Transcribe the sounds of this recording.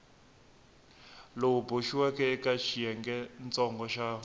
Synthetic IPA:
louboʃiwakɛɛkaʃʰijɛŋɡɛnt͡sʼɔŋɡɔʃa

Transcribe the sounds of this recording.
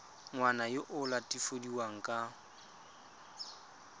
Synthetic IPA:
ŋwanajɪʔʊlatʼifodiwaŋ̩kʼa

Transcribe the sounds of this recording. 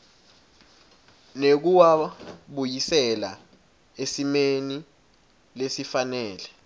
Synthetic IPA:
nek̬uwaɓujisɛla̰ | esimeni | lesifanɛːlɛ

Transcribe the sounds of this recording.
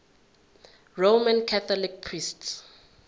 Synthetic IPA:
romãnkʰaθɔlik̚pʰrists

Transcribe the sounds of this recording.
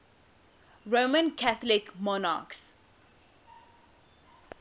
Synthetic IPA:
ɹomə̃nkʰat̪lɪkmɔna̰ks

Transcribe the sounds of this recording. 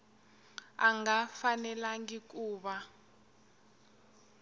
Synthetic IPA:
aŋafanɛlaŋik̬ʼuːɓa

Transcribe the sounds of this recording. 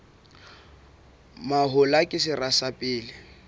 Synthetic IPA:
maɦʊlakʼɪsɪrasapʼɪːlɪ

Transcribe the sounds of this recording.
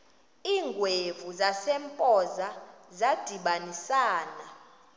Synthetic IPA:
iːŋɡʱwevuzasɛmpʼɔzazad̥ʱiɓanisaːna

